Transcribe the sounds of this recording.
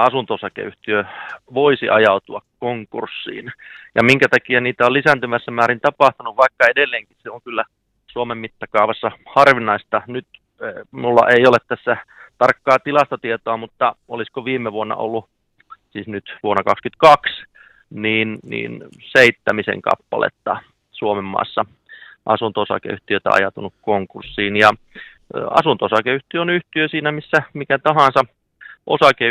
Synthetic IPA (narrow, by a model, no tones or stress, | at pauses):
ɑsunt̪osɑkḛyht̪iøʋoisḭʔɑjɑut̪uɑkkoŋkṵrsːḭːnjɑmiŋkæt̪ɑkiæniːt̪æollisænt̪ymæsːæmæːɾint̪ɑpɑht̪unuʋʋɑikːɑedelːeːŋkisseoŋkylːæ | suomemmit̪ːɑkɑuʋɑsːɑhɑrʋinˑɑist̪ɑnyt̪ | mulːɑ̰ʔeiolet̪t̪æsːæt̪ɑrkːɑːt̪ilɑst̪ot̪iet̪oɑmut̪ːɑoliskoʋiːmːeʋuonːɑ̰ʔo̰lːu | siːsnyt̪ʋuonːɑkɑkskyt̪kɑks | niːnnḭːnseit̪ːæmisḛŋkɑ̰pːɑ̰lḛt̪ːɑ | suomemːɑ̰ːsːɑ | ʔɑsunt̪oosɑ̰kḛyht̪iøt̪æ̰ɑ̰jɑt̪unukkoŋkursːiːnjɑ | ɑ̰sunt̪oosɑkeyht̪iøonyht̪iøsiːnæmisːæmikæt̪ɑɦɑnsɑ | ʔosɑke